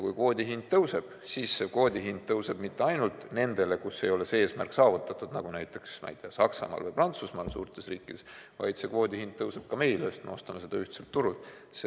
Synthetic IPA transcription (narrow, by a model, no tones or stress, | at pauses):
jkujkvo̞ːd̪ʲiɦind̪̥̚t̪ɤwse̞b̥siːsːe̞kvo̞ːd̪ʲiɦind̪̚t̪ɤwse̞b̥mit̪ːe̞ɑjnult̪ne̞nd̪e̞le̞kuse̞̰jo̞le̞see̞ːsmæ̰rksɑːvut̪ːˑɑt̪ːˑud̪̥nɑɡ̥unæjt̪ːˑe̞ksmɑ̰jd̪̥eɑsɑksɑ̰mɑ̰ːlvɤjprɑnt̪susmɑːlsṵːrt̪ˑe̞sriːkːˑid̪̥e̞svɑ̰jd̪̥se̞kvo̞ːd̪̥ʲihin̚t̪ɤwse̞b̥̚kɑme̞jløːst̪mḛo̞st̪ɑmese̞d̪̥ɑyht̪se̞lt̪ːuɾult̪ˑ | se